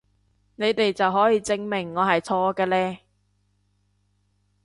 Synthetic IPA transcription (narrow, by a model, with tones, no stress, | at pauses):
ne˨˧jt̪e˨jt͡sɐ˨wɦɔː˨˥jiː˧t͡sɪ˥ŋmɪ˨˩ŋːɔː˨˧hɐ˨jt͡sʰɔː˧˥kɛː˧lɛː˥